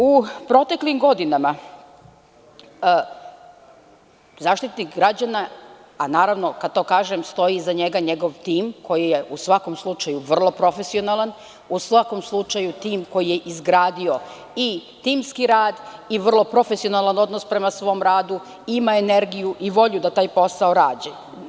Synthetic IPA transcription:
upɾo̞t̪e̞klimɡo̞d̪inama | zaːʃt̪it̪nikɡɾad͡ʑanaː | naːɾaʋno̞kad̪̚t̪o̞ːkaːʒemst̪o̞jizaɲe̞ɡaɲe̞ɡo̞ʋt̪iːmkʰo̞jije̞ʔusʋako̞mslˠut͡ʃajuʋr̩lˠo̞pɾo̞fesio̞nalˠan | usʋako̞mslˠut͡ʃajut̪iːmko̞jije̞ʔizɡɾaːd̪io̞ | i | t̪iːmskiɾaːd̪iʋr̩lˠo̞pɾo̞fesionalˠano̞d̪nospɾe̞masʋo̞ːmɾaːd̪u | imaene̞ɾɡijuʔiʋo̞ʎud̪at̪aːjpo̞saoɾaːd͡ʑe

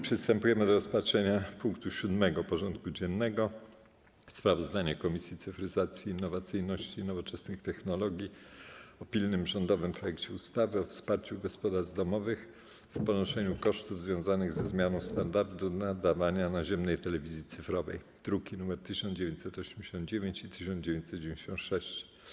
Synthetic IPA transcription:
pʂɛst̪ɛmpujɛmɘd̪ɔɾɔspatʂɛɲapuŋkt̪uɕud̪mɛɡɔpɔʐɔnt̪̚kud͡ʑɛnːɛɡɔ | spɾavɔzd̪aɲɛkɔmʲisʲjit̪sɘfɾɘzat̪sʲjiːnːɔvat̪sɘjnɔɕt͡ɕinɔvɔt͡ʂɛsnɘxt̪ɛxnɔlɔɡʲjiɔpʲilnɘmʐɔnd̪ɔvɘmpɾɔjɛkt͡ɕɛust̪avɘɔfspaɾt͡ɕuɡɔspɔd̪aɾzd̪ɔmɔvɘx | fpɔnɔʂɛɲukɔʂt̪uvzvʲjɔ̃w̃zanɘɣzɛzmʲjanɔ̃w̃st̪and̪aɾd̪unad̪avaɲanaʑɛmnɛjt̪ɛlɛvʲizʲjit̪sɘfɾɔvɛ̰j | d̪̥ɾukʲinumɛɾt̪ɘɕɔnd͡ʑevʲjẽɲt͡ɕsɛt̪ɔɕemd͡ʑeɕɔnd̪̚d͡ʑevʲjeɲt͡ɕit̪ɘɕ̬ɔnd͡ʑevʲẽɲt͡ɕ̪sɛt̪d͡ʑevʲẽɲd͡ʑeɕɔ̃nt̪ʂɛɕt͡ɕ

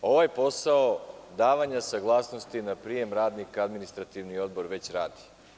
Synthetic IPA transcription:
o̞ʋajpo̞saod̪aːʋaɲasaɡlˠaːsnost̪inapɾije̞mɾaːd̪nikad̪minist̪ɾat̪iʋnio̞d̪̚bo̞ɾʋe̞t͡ɕɾaːd̪i̥

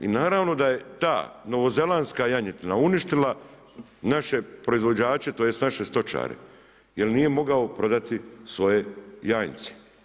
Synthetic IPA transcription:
ḭnaːɾaʋno̞d̪aje̞t̪a̰ːno̞ʋo̞ze̞lanskajaɲit̪inauniʃt̪ila | naʃe̞pɾo̞izʋo̞d͡ʑaːt͡ʃe̞t̪ojesnaʃe̞st̪o̞t͡ʃa̰ːɾḛ | je̞lniːje̞mo̞ɡaopɾo̞d̪at̪isʋo̞je̞jaːjnse̥

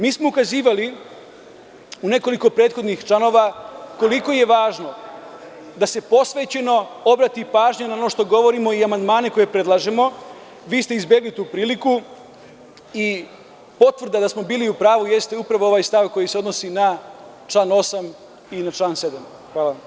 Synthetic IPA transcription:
miːsmoukaziːʋali | une̞ko̞liko̞pɾeːt̪xo̞d̪nixt͡ʃlano̞ʋako̞liko̞je̞ʋaːʒno̞ | d̪ase̞po̞sʋe̞ːt͡ɕe̞no̞o̞bɾat̪ipaːʒɲenao̞noʃt̪o̞ɡo̞ʋo̞ɾimo̞iamand̪maːne̞ko̞je̞pɾe̞d̪lˠaʒe̞mo̞ | ʋiːst̪eizbje̞ɡlit̪uːpɾiːliku | i | po̞t̪ʋr̩d̪ad̪asmo̞biːliupɾaːʋuje̞st̪e̞upɾaʋo̞o̞ʋajst̪aʋko̞jise̞o̞d̪nosina | t͡ʃlaːno̞sam | inat͡ʃlˠaːnse̞d̪am | xʋaːlaʋam

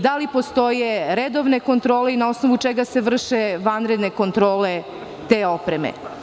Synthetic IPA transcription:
d̪alipo̞st̪o̞jeɾed̪o̞ʋne̞ko̞nt̪ɾo̞ːleinao̞snoʋut͡ʂeɡase̞ʋr̩ʃeʋanɾed̪ne̞ko̞nt̪ɾo̞ːle | t̪eo̞pɾemḛ

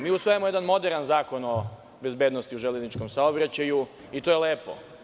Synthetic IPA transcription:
miːusʋo̞jemojeanmo̞d̪eɾnanzaːko̞no̞ | be̞zbjed̪nost̪iuʒeleznit͡ʃkomsaobɾat͡ɕaju | it̪ojeleːpo̰

